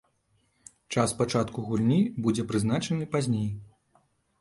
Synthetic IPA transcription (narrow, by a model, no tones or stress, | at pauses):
t͡ʂaspat͡ʂat̪kuɣulʲnʲibud͡zʲɛpɾɨznat͡ʂɐnɨpazʲnʲej